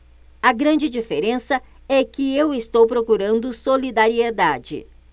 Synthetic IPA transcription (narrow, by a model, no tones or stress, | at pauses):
ɐɡɾɐ̃nd͡ʒɪd͡ʒifeɾẽsɐ | ɛkɪewɪst̪owpɾokuɾɐ̃nd̪ʊsolid̪aɾied̪ad͡ʒɪ̰